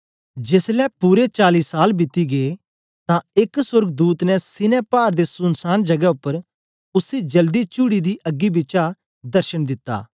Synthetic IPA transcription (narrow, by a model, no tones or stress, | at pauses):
d͡ʒeːslɛpuɾet͡ʃaːliːsaːlbɪt̪ːiɡeː | t̪ãɪksʊɾɡd̪uːt̪nɛsɪnepaːɾd̪esʊnsaːnd͡ʒɐɡɛʊpːəɾ | ʊsid͡ʒɐld̪it͡ʃʊɽid̪iʔɐɡːibɪːt͡ʃa | d̪ɐɾʃənd̪ɪt̪ːa̰ː